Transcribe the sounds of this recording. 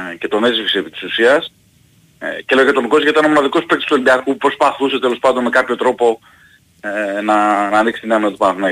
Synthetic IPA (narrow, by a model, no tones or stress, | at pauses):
ce̞t̪o̞ne̞zvifisepit̪i̥susiɐs | cele̞ojɐt̪oŋɡo̞sʝɐit̪ɐno̞mo̞nɐðiko̞spekt̪ost̪ebiɐkupɾo̞spɐθuse̞t̪elo̞spɐnd̪o̞nme̞kɐpço̞t̪ɾo̞po | enɐnɐːniksi̥t̪ineɐno̞t̪ipɐnɐθinɐ